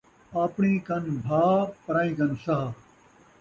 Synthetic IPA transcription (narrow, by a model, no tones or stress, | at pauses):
aːpɳiːkɐnbʱaːpɐɾaːĩːkɐnsɐɦa